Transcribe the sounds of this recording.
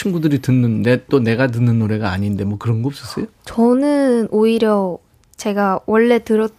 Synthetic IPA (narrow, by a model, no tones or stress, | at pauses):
t͡ɕʰinɡudɯɾitɯnːɯndet͈one̞ɡanɯnːɯnːoɾe̞ɡaːɲinde̞mwʌkɯɾʌnɡʌops͈ʌs͈ʌjot͡ɕʌnɯnʔoiɾjʌ | t͡ɕe̞ɡawʔʌɭːe̞tɯɾʌt